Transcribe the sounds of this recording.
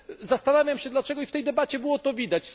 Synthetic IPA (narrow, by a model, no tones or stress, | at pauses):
zast̪anavʲjamɕɛd̪lat͡ʂɛɡɔift̪ɛjd̪ɛbat͡ɕɛbɘwɔt̪ɔvʲid̪at͡ɕ